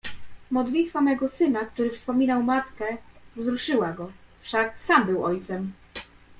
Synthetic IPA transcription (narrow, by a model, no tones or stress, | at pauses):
mɔd̪lʲit̪famɛɡɔsɘnak̚t̪uɾɘfspɔmʲinawmat̪kɛvzɾuʂɘwaɡɔfʂaksambɘwɔjt̪sɛm